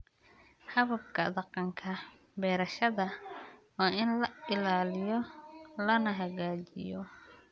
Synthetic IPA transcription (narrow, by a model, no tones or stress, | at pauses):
hɐβɐbkʰɐ̰d̪ɑqɑŋkʰɐ | bɛːɾɐʃɐðɐwɑːɪnlɐɪlaːlɪjɔlɐnɐɦɐɣaːt͡ʃɪ̰jɔ